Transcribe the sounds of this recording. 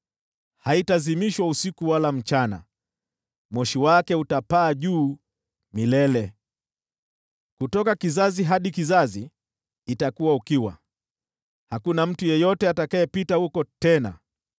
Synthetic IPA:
haitazimiʃwausikuwalam̩t͡ʃana̰ | mɔʃiwakɛutapaːʄuː | milɛlɛ | kutɔkakizaziɦaɗikizaziː | takuwaukiwa̰ | hakunam̩tujɛjɔtɛatakajɛpitahukɔtɛna̰

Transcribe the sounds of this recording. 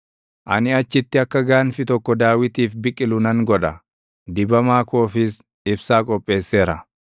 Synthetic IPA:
ʔɐ̰nɪɐt͡ʃːɪt̪ːɪɐkːɐɡaːnfɪt̪ɔkːɔd̪aːwɪt̪iːfbɪkʼːɪlʊnɐŋɡɔᶑɐ | d̪ɪbɐmaːko̞ːfɪs | ɪbsaːkʼɔpʼːe̞ːsːe̞ːɾɐ

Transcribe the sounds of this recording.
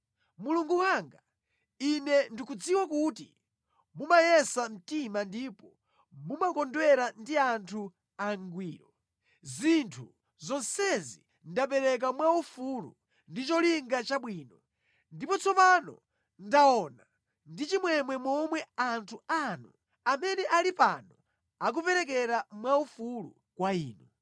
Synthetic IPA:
muluŋɡuwaŋɡa | inɛndikud͡ziwakutḭ | mumajɛsam̩timandiːpɔ | mumakɔndwɛɾandiantʰu | aŋɡwiːɾɔ | zintʰu | zɔnsɛzi | ndapɛɾɛk̬amwaufulṵ | ndit͡ʃɔliŋɡat͡ʃaɓwiːnɔ | ndipɔt͡sʰɔpanɔ̰ | ndaɔna | ndit͡ʃimwɛmwɛmɔmwɛantʰuanu | amɛnɛʔalipanɔ | ak̬upɛɾɛk̬ɛɾamwaufulṵ | kwaiːnu

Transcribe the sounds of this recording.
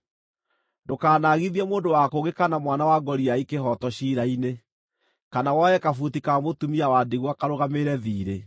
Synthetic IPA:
ndokaːnaɣiðiɛmoːndowakoɣɡekanamwanawaɡɔɾiaikeɦɔtɔɕiːɾaine | kanawɔɛkafutikamotumiawaːdiɣwakaɾoɣameɾɛðiːɾe

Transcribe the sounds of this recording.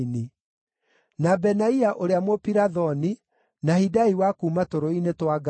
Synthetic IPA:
ni | nabɛnaiaʔoɾeamwopiɾaðɔni | nahidaiwakuːmatoɾoinetwaɡ

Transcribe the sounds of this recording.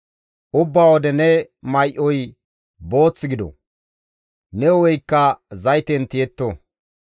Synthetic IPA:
ʔʊbːaːwɔd̪ɛnɛ | mɐjʔɔj | bo̞ːt͡sːɪɡɪd̪ɔ̰ | nɛɔwɔjkːɐzɐjt̪ɛnt̪ɪjɛt̪ːo

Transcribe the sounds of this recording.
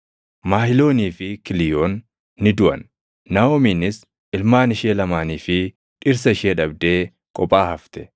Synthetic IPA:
maːhɪlo̞ːniːfɪkɪlɪjoːnː | ɪd̪ʊʔɐ̰nː | aːoːmiːnɪs | ʔɪlmaːnɪʃeːlɐmaːniːfɪ | ᶑɪɾs̬ɐɪʃeːᶑɐb̚d̪e̞ː | kʼɔpʼːaːhɐft̪ɛ̥

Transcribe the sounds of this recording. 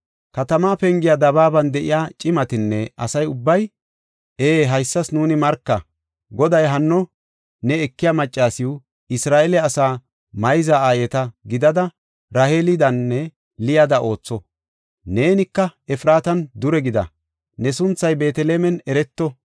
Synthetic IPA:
kɐt̪ɐmaːpɛŋɡɪjad̪ɐβaːbɐnd̪ɛʔɪ̰jaːt͡ʃʼɪmɐt̪ɪnːɛʔɐ̰sɐjʊbːɐj | eːɦɐjsːɐsnuːnɪmɐɾkːɐ | ɡɔd̪ɐjɦɐnːɔ | nɛːkːɪjaːmɐt͡ʃʼːaːsɪʊ | ɪsɾaːʔɛlɛɐsaː | mɐjzaaːjɛt̪ɐɡɪd̪ɐd̪ɐ | ɾɐheːlɪd̪ɐnːɛ | lɪjad̪ɐʔo̞ːt͡sːɔ | ne̞ːnɪkːɐɛfɾaːt̪ɐnd̪ʊɾɛɡɪd̪ɐ̰ | nɛsʊnt͡sːɐjbe̞ːt̪ɛleːmɛnɛɾɛt̪ːɔ

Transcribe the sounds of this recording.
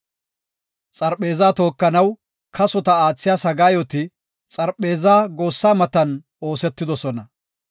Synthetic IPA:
t͡sʼɐɾpe̞ːzaːt̪o̞ːkːɐnɐw | kʰɐsɔt̪ɐaːt͡sːɪjaːsɐɡaːjot̪ɪ | t͡sʼɐɾpe̞ːzaːɡo̞ːsːaːmɐt̪ɐn | o̞ːsɛt̪ːɪd̪ɔsɔnɐ

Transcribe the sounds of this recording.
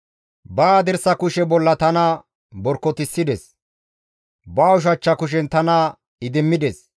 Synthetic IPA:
baːd̪ɛɾsɐkʊʃɛbɔlːɐt̪ɐnɐ | bɔɾkːɔt̪ɪsːɪd̪ɛs | baːʊʃ̬ɐt͡ʃːɐkʊʃ̬ɛnt̪ɐnɐ | ɪd̪ɪmːɪd̪ɛs

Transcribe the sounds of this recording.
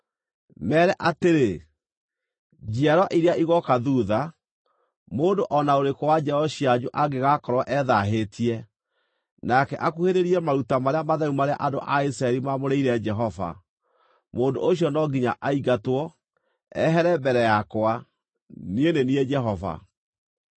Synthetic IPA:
mɛːɾɛʔateɾe | d͡ʒiaɾɔʔiɾeaʔiɣɔkaðuːða | moːndoʔɔnaoɾekɔwad͡ʒɛɔɕiaɲoʔaɡeɣakɔɾwɔʔɛðaɦetʰiɛ | nakɛʔakuheɾeɾiɛmaɾutamaɾeamaðaumaɾea̰ʔado̰ʔais̬ɾaɛɾimamoɾeiɾɛd͡ʒɛɦɔva̰ | moːndoʔoɕjɔnɔɡiɲaʔaiɡatwɔ | ɛɦɛɾɛmbɛɾɛjakwa | nienenied͡ʒɛɦɔva̰

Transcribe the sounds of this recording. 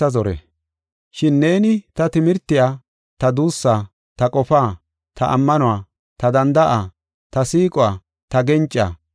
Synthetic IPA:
ɐzɔɾɛ̰ | ʃɪnːe̞ːnɪt̪ɐt̪ɪmɪɾt̪ːɪjaː | t̪ɐd̪uːsːaː | t̪ɐkʼɔfaː | t̪ʰɐ̰ʔɐ̰mːɐnʊwaː | t̪ɐd̪ɐnd̪ɐʔaː | t̪ɐsiːkʼʊwaː | t̪ɐɡɛnt͡ʃʼːa̰ː

